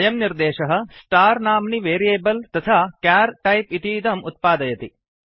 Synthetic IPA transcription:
jɐmniɾd̪eːʃɐɦɐ̆sʈaːɾnaːmniʋeːɾijeːbɐlt̪ɐt̪ʰaːkaːɾʈɐjpit̪iːd̪ɐmut̪̚paːd̪ɐjɐt̪i

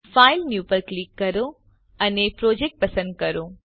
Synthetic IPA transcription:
faːɪlnjuːpəlklikːɐɾo | ɐnepɾoːd͡ʒeːk̚ʈ̚pɐsə̃nd̪̚kɐɾoː

